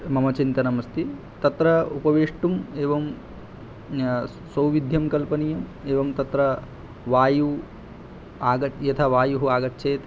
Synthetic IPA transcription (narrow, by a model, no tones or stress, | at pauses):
mɐmɐt͡ʃint̪ɐnɐmɐst̪ʰi | t̪ɐt̪ɾɐupɐʋeːʂʈumeːʋɐm | sɐwʋid̪ʱjɐmkɐlpɐnijɐmeːʋɐmt̪ɐt̪ɾɐ | ʋaːju | aːɡɐjɐt̪ʰɐʋaːjuɦuaːɡɐtːʃʰeːt̪